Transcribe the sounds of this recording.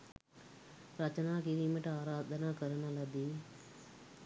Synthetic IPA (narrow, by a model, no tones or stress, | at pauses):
ɾɐt͡ʃɐnaːkiɾiːmɐʈaːɾaːd̪ʱɐnaːkɐɾɐɳɐlɐd̪i